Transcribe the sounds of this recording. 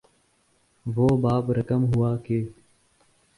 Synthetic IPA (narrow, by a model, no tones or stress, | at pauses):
ʋoːbaːpɾəkəmɦuwaːkeː